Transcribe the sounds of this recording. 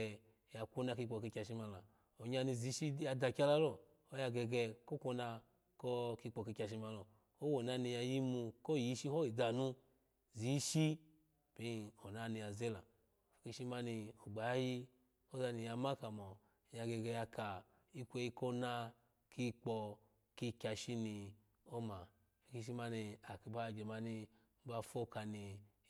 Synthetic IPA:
ja˧kʷo˦na˧ki˧k͡pɔ˧ki˧kʲa˧ʃi˧ma˧la˨ | o˨ɲa˧ni˧˨zi˨˦ʃi˦ja˧da˧˨kʲa˦la˧lɔ˨ | o˦ja˧ɡɛ˧ɡɛ˧ko˦kʷo˧˦na˧ | ko˦ki˧k͡pɔ˧ki˧kʲa˧ʃ̬i˧ma˧lɔ˨ | o˦wo˨na˧ni˧ja˧ji˦mu˧ko˦˨ji˦ʃi˦ho˦i˨da˨nu˦ | zi˨˦ʃi˦ | b̥i˦˧˨o˨na˧ni˧ja˨ze˦la˨ | fi˨ki˧˦ʃi˦ma˧ni˧u˨ɡ͡ba˨ja˦ji˦ | o˦za˧ni˧ja˧ma˦ka˨mɔ˨ | ja˧ɡe˧ɡe˧ja˧ka˨ | i˦kʷe˧i˧˦ko˦na˧ | kʰi˧k͡pɔ˧ | ki˧kʲa˧ʃi˦ni˧ | o˦ma˨ | fi˨ki˧ʃ̬i˦ma˧ni˧a˨ki˧ba˦˧˨d͡ʒe˨ma˧ni˧˦ | ba˧fo˦ka˧ni˧

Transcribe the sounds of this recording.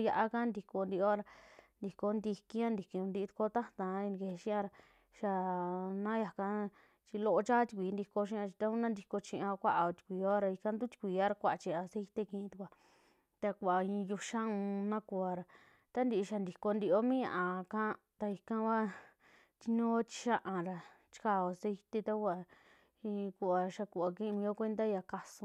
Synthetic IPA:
ja˧ʔa˧ka˦nd̪i˧ko˧nd̪i˧o˦ɾa˧nd̪i˨ko˧nd̪i˧kĩ˦ã˦nd̪i˨ki˧ũ˧nd̪i˧t̪u̥˧ko˦t̪a˦t̪ã˧i˧ni˧ke˧ʃĩ˦ã˧ɾa˧ | ʃa˧nã˦ja˨ka˧ | t͡ʃi˧lo˧o˧t͡ʃa˦t̪i̥˧kʷi˨˦nd̪i˧ko˧ʃ̬ĩ˦˧ã˧t͡ʃi˧t̪a˦ũ˦nã˦nd̪i˧ko˧t͡ʃĩ˧ʔã˧kʷa˦ʔa˧o˧t̪i̥˧kʷiː˧o˦ɾa˧i˧kã˧nd̪u˦t̪i̥˧kʷi˨a˦ɾa˧kʷa˧˨˧t͡ʃĩ˧ã˧se˦˧i˧t̪e˧kĩ˧t̪u˧kʷa˧ | t̪a˧ku˧a˨ĩ˧ju˧ʃa˦ũ˧nã˦ku˧a˧ɾa˨ | t̪a˦nd̪i˧ʔʃa˧nd̪i˨ko˧nd̪i˧o˦mĩ˦ɲã̰˧ʔa˧kã˦˧ | t̪a˧i˧kã˧ka˦ | t̪i˧ɲõ˦o˦t͡ʃi̥˧ʃa˦ʔa˧ɾa˧ | t͡ʃi̥˧ka˧˨o˨˧se˦˧i˧t̪e˧t̪a˦ku˧a˧˨ | ĩ˧ku˧a˧ʃa˧ku˧a˨˧kĩ˦˧mĩː˧o˦kʷe˦nd̪a˦ja˧ka˧sũ˧

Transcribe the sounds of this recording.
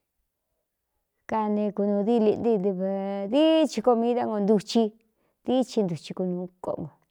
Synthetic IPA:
ka˧nẽ˧ku˧nũː˧ði˦˧li˧ʔnd̪i˦˧i˧βði˦t͡ʃi˧ko˧mĩ˦ða˦ŋɡo˧nd̪u˧t͡ʃi˧ | ði˦t͡ʃi˧nd̪u˨t͡ʃi˧ku˧nũː˧˦ko̰˧ʔŋɡo˨

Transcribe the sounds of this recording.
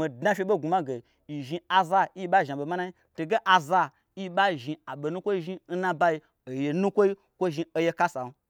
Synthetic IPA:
mi˨dnã˦fʲe˧ɓo˦˨ɡu˨ma˦ɡe˨ | i˨ʒi˧a˨za˧i˦i˧˦ɓa˦˨ʒi˨ɓe˨ma˦nã˦i˦ | to˨ɡe˦ʔa˨za˧ | i˦ɓa˦˨ʒi˧a˨ɓe˨nũ˦kʷo˦i˦ʒi˧n̩˦nã˧ba˧˦i˧ | o˨je˧nũ˦kʷo˦i˦ | kʷo˦˨ʒi˧o˧je˧ka˦sa˨n˦

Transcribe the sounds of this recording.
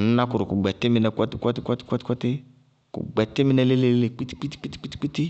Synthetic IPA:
n̩˦na˦kʊ˨ɾʊ˨kʊ˨ɡ͡bɛ˨tɪ˦mɪ˧˦nɛ˨kʷɔ˦tɪ˦kʷɔ˦tɪ˦kʷɔ˦tɪ̥˦kʷɔ˦tɪ˦kʷɔ˦tɪ˦ | kʊ̰˨ɡ͡bɛ˨tɪ˦mɪ˦nɛ˧le˦le˦˨le˦le˨k͡pi˦ti̥˦k͡pi˦ti̥˦k͡pi˦ti̥˦k͡pi˦ti̥˦k͡pi˦ti˦

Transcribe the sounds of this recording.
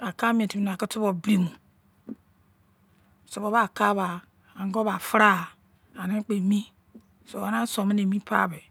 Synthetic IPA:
a˨ka˦mi˦e˨ti˨i˨n˨a˨ki˦tu˦bo˨bɾi˦mu˨ | so˨bo˨˦βa˦˨ka˦βa˨ | a˨ŋ˦ɡo˦ba˨fɾa˦˨ | a˨ne˦k͡pe˨mi˦ | so˨ba˨na˦so˨me˦ne˨mĩ˦pʰa̰˦˨be˨

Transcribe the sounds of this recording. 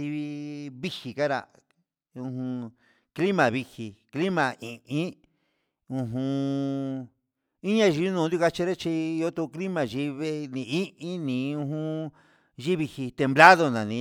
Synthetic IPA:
i˧i˧βi˦hi˨ka˦ɾa̰˧˨ | ũ˧ɦũ˧ | kli˦mã˨βi˧hi˧˨kli˦mã˨ʔĩ˨ʔĩ˦ | ũ˧ɦũ˧ | i˦ɲã˧ʒi˧˦nũ˧˨nd̪ju˦ka˧t͡ʃi˧ɾe˦t͡ʃi˧o˦t̪u˧kli˦mã˧˨ʒi˧˦βe˦nĩ˧˨i˦ʔĩ˦nĩ˨˧ũ˧ɦũ˧ | ʒi˦βi˧hi˧t̪e˧mbla˦ðo˧nã˨nĩ˧

